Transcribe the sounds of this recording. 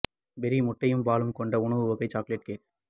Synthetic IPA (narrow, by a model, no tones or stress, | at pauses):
bɛɾimʊʈːɐjɯmpaːlɯmkɔɳɖɐʊɳɐʋɯʋɔɣɐɪt͡ʃaːkleʈ̚keːʈː